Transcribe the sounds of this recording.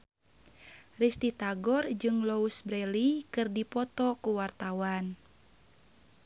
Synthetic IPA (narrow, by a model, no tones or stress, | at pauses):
rist̪it̪aɡɔrd͡ʒɨŋlɔusbɾɛlikɨrdipɔt̪ɔkuwart̪awan